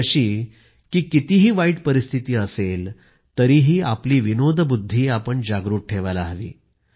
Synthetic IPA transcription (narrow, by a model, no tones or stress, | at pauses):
əɕiː | kiːkit̪iːɦiːʋaiːʈpəɾist̪ʰit̪iːəsel | t̪əɾiːɦiːapliːʋinod̪ʱbud̪ʱːiːapəɳd͡ʑaɡɾuːʈ̚ʈʰeʋalaɦʋḭː